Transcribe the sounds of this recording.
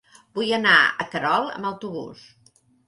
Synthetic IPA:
bujənaəkəɾɔlˠə̰məwt̪uβṵs

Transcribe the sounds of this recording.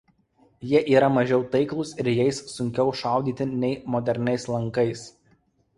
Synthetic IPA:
jiɛʔiːɾɐmɐʒʲɛʊt̪ɐɪklˠʊsɪɾjɛɪsːʊŋʲkʲɛʊʃɑˑʊd̪ʲiːt̪ʲɪnʲɛɪmɔd̪ʲɛɾʲnʲɛɪslˠɐŋˑkɐɪs

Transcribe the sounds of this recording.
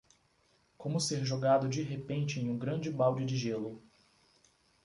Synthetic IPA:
kõmʊseɾʒoɡad̪ʊd͡ʒiɦepẽnt͡ʃɪẽj̃ũɡɾɐ̃nd͡ʒɪbawd͡ʒɪd͡ʒɪʒelʊ

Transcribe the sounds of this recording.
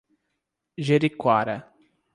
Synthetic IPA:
ʒeɾikwaɾɐ

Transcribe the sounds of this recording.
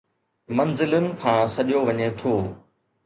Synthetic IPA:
mɐnzɪlʊnɪ̆kʰãːsɐɗijoʋɐɲet̪ʰoː

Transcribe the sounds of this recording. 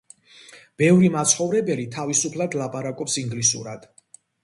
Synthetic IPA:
b̥ɛvɾimat̪sʰχɔvɾɛbɛlit̪ʰavisupʰlˠad̪lˠapʼaɾakʼɔpsiŋɡlisṵɾad̪̥

